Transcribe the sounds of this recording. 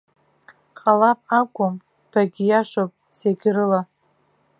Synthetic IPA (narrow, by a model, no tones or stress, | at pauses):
qʼalapʼakʷʼʊm | b̥aɡʲijaʂopʼ | seɡʲɾɨla